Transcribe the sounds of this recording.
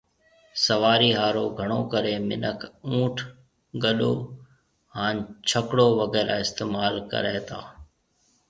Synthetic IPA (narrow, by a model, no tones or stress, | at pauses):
səʋaːɾiːɦaːɾoːɡʱəɽ̃oːkəɾeːmɪ̰nəkʰũːʈʰ | ɠəɗo̰ː | ɦãːnt͡ʃʰəkɽoːʋəɣɛːɾa̰ːɪst̪eːmaːlkə̰ɾeːt̪ʰaː